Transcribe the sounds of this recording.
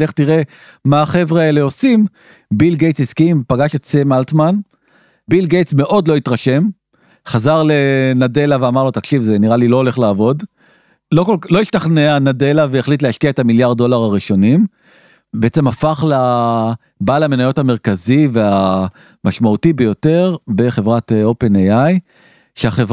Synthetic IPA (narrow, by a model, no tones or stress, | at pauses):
leχt̪iʁe̞ | maːχe̞vʁaele̞o̞sim | bilɡejtsiskimpaɡaʃetsemalt̪man | bilɡejtsme̞ʔo̞dlo̞it̪ʁaʃe̞m | χazaʁle̞nade̞laveamaʁlo̞t̪akʃivzeniʁalilo̞ːle̞χlaːvo̞d | lo̞kollo̞iʃtaχneanade̞laveːχlit̪̬lehaʃkiaet̪amiljaʁddo̞laʁaʁiʃo̞nim | beet͡se̞mafaχla | balame̞najotame̞ʁkazivea | maʃmautibejo̞te̞ʁbe̞χe̞vʁatope̞nejaj | ʃeaχev